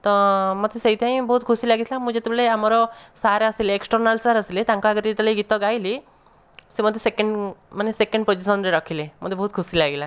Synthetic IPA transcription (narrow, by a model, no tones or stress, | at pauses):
t̪ɔmɔt̪ʰeseit̪ʰãĩbɔɦut̪kʰusilaɡit̪ʰlamũd͡ʒet̪ɔbleamɔɾɔsaɾəsileeksʈəɾnalsaɾɐsilet̪ãŋkaaɡəɾit̪lejɡit̪ɔɡajli | semɔt̪ʰesekeɳɖmanesekə̃ɳɖpod͡ʒisɔnɾeɾɔkʰilemɔ̰t̪ʰebɔɦut̪̚kʰusilaɡela